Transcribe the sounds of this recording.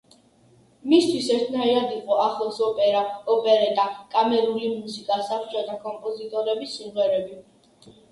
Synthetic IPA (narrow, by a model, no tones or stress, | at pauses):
mist̪ʰwisɛɾt̪ʰnaiɾad̪iqʼɔaχlˠɛsɔpʼɛɾaɔpʼɛɾɛd̪ʼakʼamɛɾulimusikʼasaχt͡ʃʰʼɛt̪ʼakʼɔmpʼɔzit̪ʼɔɾɛbisimʁɛɾɛbi